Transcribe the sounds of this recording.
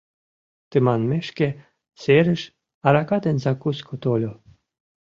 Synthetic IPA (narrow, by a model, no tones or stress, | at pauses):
t̪ɨmanmeʃkʲe | seɾɘʃ | aɾakat̪enʲzakusʲkʰot̪olʲo